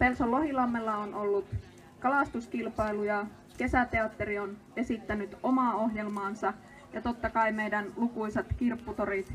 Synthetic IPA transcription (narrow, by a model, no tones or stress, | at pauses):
pe̞lsolːo̞ɦilɑmːelːɑono̞lːut̪ | kɑlɑst̪uskilpɑjlujɑ | ke̞sæt̪eɑt̪ːeɾion | e̞sit̪ːænyt̪o̞mɑoɦjelmɑːnsɑ | jɑt̪o̞t̪ːɑkɑjmejdænlukujset̪k̟irpːut̪oɾit̪